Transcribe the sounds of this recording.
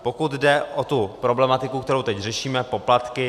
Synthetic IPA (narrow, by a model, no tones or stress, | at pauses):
po̞kut̪dɛʔot̪upɾo̞blɛmat̪ɪkukt̪ɛɾowt̪ɛcrɛʃiːmɛpo̞plat̪kɪ